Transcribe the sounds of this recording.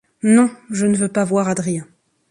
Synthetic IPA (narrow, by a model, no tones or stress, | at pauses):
nɔ̃ʒənəvøpavwaʁad̪ʁijɛ̃